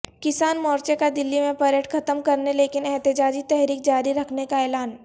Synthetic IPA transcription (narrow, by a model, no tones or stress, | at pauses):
kɪsaːnmɔːɾt͡ʃekad̪ɪlːimẽpɐɾeʈkʰɐt̪əmkɐɾneleːkɪnɛɦt̪ɪd͡ʒaːd͡ʒit̪ɛɦɾiːk̚d͡ʒaːɾiɾɐkʰnekaɛːlaːn